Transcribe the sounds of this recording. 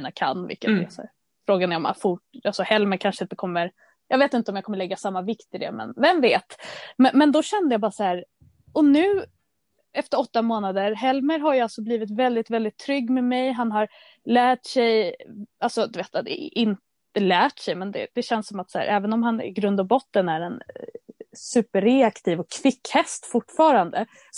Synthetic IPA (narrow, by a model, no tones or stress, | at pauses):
iːnakʰa̰nvɪ̰lkːət̪dɛ̰sæ̰ːɾ | fɾoːɡanɛɾɔ̰ma̰fʊʈalsɔhɛlməɾkʰanʂəɪnt̪əkʰɔmːəɾ | jɑːɡveːt̪ɪnt̪əɔmjakʰɔməɭɛɡːasamːavɪkt̪ɪd̪ɛ̰mɛ̰nvɛmveːt̪mɛmɛnd̪ɔɕɛnd̪əjabɑːɾasæːɾ | ɔnʉ̟ː | ɛft̪əɾɔt̪ːamoːnad̪əɾɦɛlməɾɦaɾjəalsɔbliːvɪt̪vɛld̪ɪt̪vɛld̪ɪt̪ʰːɾʏɡːmɛmɛjɦanɦaɾ | læːʈsɛjʔalsɔd̪ɵveːt̪d̪ɛ̰ʔɪnt̪ | əlæːʈsɛjmɛnd̪ɛ̰d̪̥ɛɕɛnsːɔmat̪sæ̰ːɾʔɛːvənɔmɦanɪ̰ɡɾɵnd̪abɔt̪ːənæɾɛn | sʉ̟ːpəɾɛakt̪ʰiːvɔkʰːvɪkːhɛst̪fʊʈːfɑːɾand̪ə